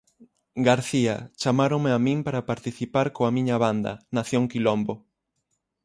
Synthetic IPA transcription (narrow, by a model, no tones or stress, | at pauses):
ɡaɾθiat͡ʃamaɾõŋmeamĩŋpaɾapaɾt̪iθipaɾkoamĩɲɐβand̪ɐ̰naθjoŋkilombo